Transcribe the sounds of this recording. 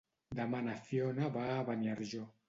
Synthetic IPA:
d̪amanafjonabaβanaɾʒo

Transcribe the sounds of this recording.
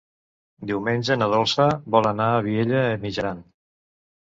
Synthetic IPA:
d̪iwmenʲʒənəð̞olˠsəβɔlənaːβieʎəːmiʒəɾan

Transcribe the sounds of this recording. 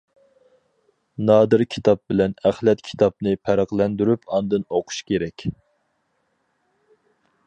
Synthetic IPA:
nɑːd̪ɨɾkʲʰi̥t̪ʰɑp̚bɪlɛnæχlɛt̪kʲʰi̥t̪ʰɑp̚nɨpʰæɾɑqlˠɛnd̪yɾypʰɑnd̪ɨnoqʰʊ̥ʃkʲeɾɛkʲ

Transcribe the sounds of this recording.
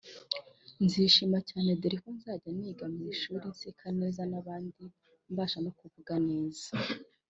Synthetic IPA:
nziːʃimacaːne̞diɾikonzaːɟaniːɡamiːʃuːɾinsikʰane̞ːzanaβaːndi | mbaːʃano̞kuvuɡane̞ːzḁ

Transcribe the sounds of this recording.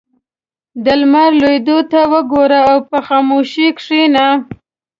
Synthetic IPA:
d̪əlmaɾlojd̪ot̪awəɡoɾaːwpəxamoʃikʂina

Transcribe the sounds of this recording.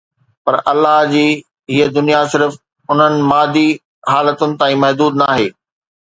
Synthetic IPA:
pɐɾʔɐlːaɦd͡ʑiː | ɦiːəd̪ʊnijasɪɾf | ʊn̤ənɪ̆maːd̪i | ɦaːlət̪ʊnɪ̆t̪aːĩmɐɦd̪uːd̪naːɦeː

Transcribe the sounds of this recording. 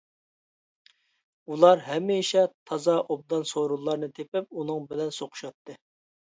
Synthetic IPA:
ulˠɑɾɦɛmiʃɛt̪ʰɑzɑʔob̚d̪ɑnsoɾulˠːɑɾnɨt̪ʰepɪp̚unɨŋbɪlɛnsoqʰʊ̥ʃɑt̪ːɨ

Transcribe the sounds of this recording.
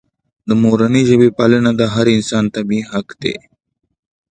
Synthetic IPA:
d̪əmoɾaniʒəbepalənad̪aɦaɾɪnsɑːnt̪abiɦakd̪ḛ

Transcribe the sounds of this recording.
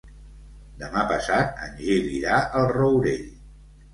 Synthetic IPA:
d̪əmapəsat̪̚ənʲʒiliɾaʔəlˠrəwɾeʎ

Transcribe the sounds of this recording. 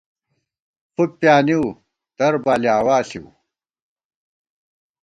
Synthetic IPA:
pupjaːniw | d̪̥ɐɾbaːliaːwaːsiṵ

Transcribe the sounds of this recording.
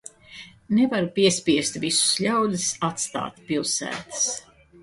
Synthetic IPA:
nevaɾpiɛspʲiɛst̪visu̥sʎʲawd̪isat̪st̪a̰ːt̪ʲpʲilˠsæ̰ːt̪ɨ̥s

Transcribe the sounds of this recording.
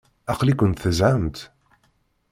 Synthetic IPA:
æqlikʷʊnt̪θəzʕəmt̪

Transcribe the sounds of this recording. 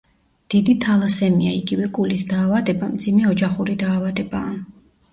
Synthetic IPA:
d̪̥id̪it̪ʰalˠasɛmiaiɡivɛkʼulisd̪aːvad̪ɛbamd̪zimɛɔd͡ʒaχuɾid̪aːvad̪ɛbaː

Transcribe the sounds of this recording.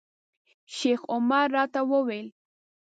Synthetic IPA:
ʃeχomaɾːat̪awowel

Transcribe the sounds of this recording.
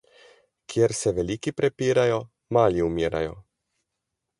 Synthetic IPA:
kjɛɾsɛʋɛlikipɾɛpiːɾajo | maːliumiːɾa̰jo̰

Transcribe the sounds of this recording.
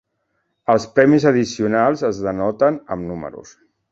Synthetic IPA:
əlˠspɾɛmizəð̞isiunalˠzəzðənɔt̪ənəmnumə̰ɾṵs

